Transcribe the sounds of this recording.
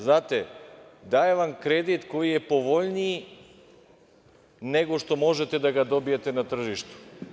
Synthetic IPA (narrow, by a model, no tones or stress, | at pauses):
znaːt̪ed̪ajeʋamkɾed̪it̪ko̞jijepo̞ʋo̞ʎni | neɡoʃt̪o̞mo̞ʒet̪ed̪aɡad̪o̞bijet̪enat̪r̩ʒiʃt̪u̥